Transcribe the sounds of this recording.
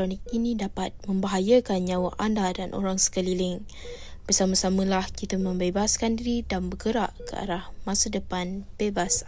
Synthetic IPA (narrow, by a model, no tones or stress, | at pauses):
ɾonɪk̚inĩdapat̪̚mə̃mbaɦajakanɲawaʔandadanʔo̰ɾaŋsə̥kəlilɪŋ | b̥ərsamãsamə̃lahkit̪amə̃mbebaskandiɾidanbəɡəɾaʔkəa̰ɾahmãsadəpanb̥ebas